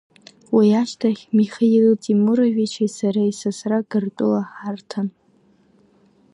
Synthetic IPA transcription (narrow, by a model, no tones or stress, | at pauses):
wiaʃtʰaχʲmiχajlɨtʼimuɾoʒᶣit͡ʃʰasaɾaisasraɡɨrtʼʊlaħartʰan